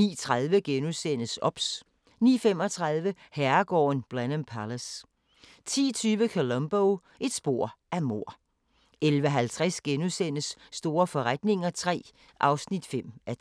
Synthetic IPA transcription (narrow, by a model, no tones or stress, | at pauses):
ḭːt͡sʰʁaðˠʋəɡ̥enusen̰əsɒ̽b̥s | nḭːfemɒ̽t͡sʰʁɑð̞ˠʋə | hæɐɡ̥ɒ̰ːnb̥ʁænəmpʰæləs | t͡sʰḭːt͡sʰyːʋəkʰolɔmb̥oʊ | ʔe̝d̥sb̥o̝ɐ̰ʔæmo̝̰ɐ̰ | ʔelʋəɦælt͡sʰʁasɡ̥enusen̰əsːd̥o̝ːɐfɒ̽ʁad̥ne̝ŋɐt͡sʰʁɛ̰ː | ʔɑ̈ʊsnid̥fem̰æ